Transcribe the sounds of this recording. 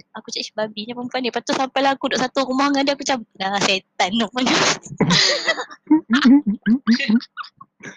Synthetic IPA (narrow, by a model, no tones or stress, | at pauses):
akut͡ʃaʔʃi̥babiɲapəmpuanipat̪usampajlaakudɔʔsat̪uɾumahŋadiakut͡ʃamŋaset̪anːopun